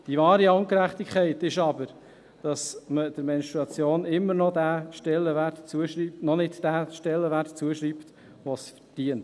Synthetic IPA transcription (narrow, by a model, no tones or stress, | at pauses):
d̥ivɑːɾiɑŋkəɾæχt̪ikχɛɪtɪʃɑbəɾ | d̥ɑsməd̥əɾmɛnist̪ɾɑt͡sjoːnɪmːəɾnɔd̪æːʃtɛlːəʋætt͡suəʃinɔnɪdd̥æːʃtɛlːəʋærtt͡suəʃɾipt̪ | ʋosfə̥ɾd̥iənt